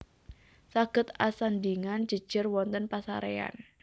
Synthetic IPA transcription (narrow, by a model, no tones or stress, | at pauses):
saɡ̥ə̤t̪asand̪iŋand͡ʒ̥ə̤̥d͡ʒ̥ərwɔnt̪ənpasa̰ɾea̰n